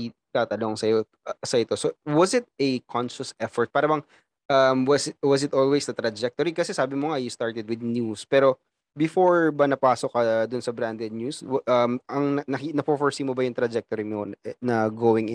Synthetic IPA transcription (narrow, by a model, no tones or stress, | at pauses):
it̪aːt̪ɐloŋsɐjo | sɐʔɪt̪o̞sowɐsɪt̪̚ekʰɔ̃nʃɐsɛfɔɹt̪̚paːɾɐbɐŋ | ʔɐmwɐswɐsɪt̪oːlwesd̪ɐt̪ɾɐd͡ʒɛk̚t̪oɾikɐsɛsaːbɪmoŋajust̪aɹt̪ɛd̪̚wɪd̪̚njuspɛːɾo̞ | bɪfoɹbɐnɐpaːsokɐd̪ʊnsɐbɾand̪ɛd̪̚nɲuswʔɐmʔɐŋnɐnɐkinɐpofoɹsiːmobɐjʊŋt̪ɾɐd͡ʒɛk̚t̪oɾimonɐɡoːwɪŋʔ